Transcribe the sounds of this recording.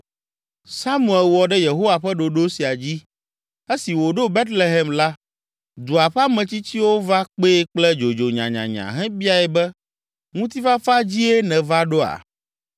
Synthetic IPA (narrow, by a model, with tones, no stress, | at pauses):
sa˦mũ˨ɛ˨lwɔ˨ɖɛ˦je˨ɦo˦wa˨ɸɛ˦ɖo˨ɖo˦si˨a˨d͡ʑi˦ | e˦si˨wo˨ɖo˦be˦t̪le˨ɦɛ˨mla˦ | d̪u˨a˨ɸa˦mɛ̃˨t͡ɕi˦t͡ɕi˦wo˦va˦k͡pe˦k͡plɛ˦d͡ʒo˨d͡ʒo˨ɲã̰˨ɲã̰˨ɲã̰˨ɦɛ̃˦bi˦a˨ɛ˨bɛ˦ | ŋũ˦t̪i˦va˦fa˦d͡ʑi˦ɛ˦nɛ̃˨va˦ɖo˦a̰˨